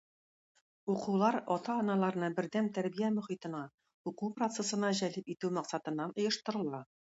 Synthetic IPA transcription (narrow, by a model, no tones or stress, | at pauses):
uquwlˠɑɾɒt̪ɑːnɑlˠɑɾɤ̆nɤbɘ̆ɾd̪æmt̪æɾbijæmɵ̆χit̪ɤ̆nɑ | uquprot̪sesɤ̆nɑʑælɘpit̪ʉwmɑqsɑt̪ɤ̆nːɑnŏjɤ̆ʃt̪ɤ̆ɾɤ̆lˠɑ